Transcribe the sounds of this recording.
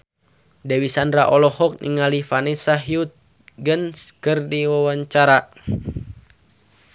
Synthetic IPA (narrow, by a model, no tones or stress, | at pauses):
dɛwisandraʔɔlɔhɔk̚nʔḭŋalifanɛsaɦiut̪̚ | ɡənskərdiwawaɲt͡ʃaɾa